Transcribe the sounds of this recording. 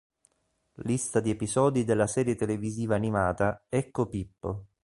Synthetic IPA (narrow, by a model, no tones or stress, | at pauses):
list̪ad̪iepizɔːd̪id̪elːasɛːɾjet̪eleviziːvaːnimaːt̪aɛkːopipːo̰